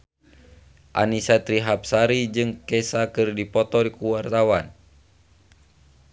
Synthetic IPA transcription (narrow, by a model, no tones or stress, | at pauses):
ʔa̰nisat̪ɾiɦap̚saɾid͡ʒɨŋkɛsakɨrdipɔt̪ɔɾikuwart̪awan